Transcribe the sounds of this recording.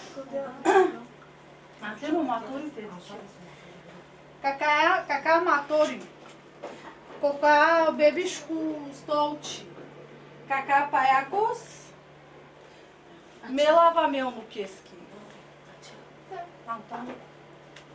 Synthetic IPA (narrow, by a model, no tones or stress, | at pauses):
mat̪emomat̪uɾit̪ed | kakakakamat̪oɾi | kokabebiʃkust̪owt͡ʃi | kakapajakus | melavamewnukeski | at̪an